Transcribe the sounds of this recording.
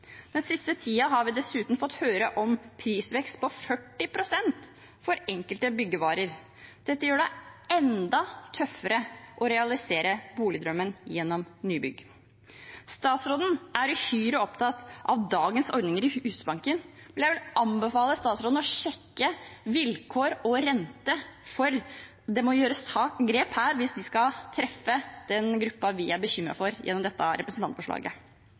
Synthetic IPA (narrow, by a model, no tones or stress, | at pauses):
d̪ɛnsɪst̪ət̪ʰiːɑɦɑɾʋɪd̪ɛsʉːt̪n̩fɔt̪ːhøːɾəʔɔmpʰɾiːsʋɛkst̪̚pɔfœʈːɪpʰɾʊsɛnt̪ | fɔɾɛŋkəlt̪əbʏɡːəʋɑːɾəɾ | d̪̥ɛt̪ːəjøːɖɛɛnd̪ɑt̪ʰœfːəɾəʔɔɾɛɑlɪseːɾəbuːlɪd̪ɾœmːənjɛnːɔmnyːbʏ̰ɡ | st̪ɑːt̪sɾoːd̪n̩ʔæɾhyːɾəɔpt̪ʰɑt̪ɑʋd̪ɑːɡənsɔɾd̪nɪŋəɾɪhʉːsbɑŋkən | ɛljæʋɪlʔɑmbəfɑːləst̪ɑːt̪sɾoːd̪n̩ɔʃɛkːəʋɪlkʰoːɾɔɾɛnt̪əfɔɾ | d̪ɛmɔjøːɾəst̪ʰɑːɡɾeːphæːɾʋɪsd̪ɪskɑt̪ʰɾɛfːəd̪̥ɛnɡɾʉpːɑʋɪæbəçʏmːɾɑ̰fɔɾjɛ̰nːɔmd̪ɛt̪ːɑɾʔɛpɾəsn̩ʰɑnt̪fɔʂɭɑ̰ːɡə̰